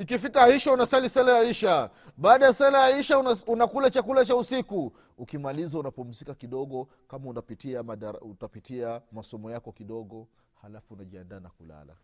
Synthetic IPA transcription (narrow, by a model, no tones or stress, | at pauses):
ikifikaiʃaunasalisɛlajaiʃa | ɓaːɗajasɛlajaiʃaunakulat͡ʃakulat͡ʃausiku | ukimalizaunapɔm̩zikakiɗɔɠɔ | kamaunapitiamaɗaautapitiamasɔmɔjakɔkiɗɔɠɔ | halafuːnaʄiandaːnakula̰la̰